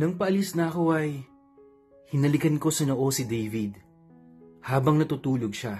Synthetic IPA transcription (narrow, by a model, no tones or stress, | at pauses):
nɐŋpɐʔɐlisnɐɐko̞ʔɐj | hɪnɐlɪkɐnko̞sɐnoʔo̞sɪd̪ɛjvɪd̪ | haːbɐŋnɐt̪uːt̪uːloɡʃa